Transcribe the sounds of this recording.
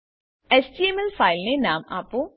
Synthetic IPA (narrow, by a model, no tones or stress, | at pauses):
esʈiemelfaːɪlnenaːma̰ːpõ